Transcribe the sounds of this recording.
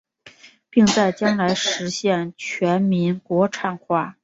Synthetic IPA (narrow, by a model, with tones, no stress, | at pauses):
pi˥˧ŋt͡sa˥˩ɪt͡ɕjɑ˥ŋla˧˥ɪʂɻ̩˧˥ɕjɛ˥˩nt͡ɕʰɥɛ˧˥nmi˧˥nkwɔ˧˥ʈ͡ʂʰa˥˧nxwa˥˩